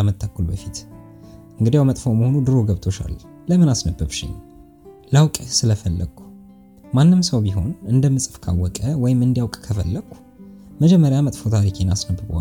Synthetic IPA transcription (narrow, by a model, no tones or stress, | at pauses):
amət̪ʰːəkʰːulbəfit̪ | ʔɨŋɡɨd̪ijawmət̪ʼfowməho̞nud̪ɨɾo̞ɡəβt̪ʰo̞ʃa̰lː | ləmɨnasnəbːəβʃɪ̰ɲ | lawkʼsɨləfəlːə̰ɡu̥ | manːɨmsəwbiɦo̞nɨnd̪əmːɨsʼɨfkʰa̰wːɔkʼəwɔjɪmɨnd̪ijawkʼkʰəfəlːəɡ̥u̥ | məd͡ʒɛmːəɾjamət̪ʼfot̪ʰaɾikʰenasnəbɨbə̰a̰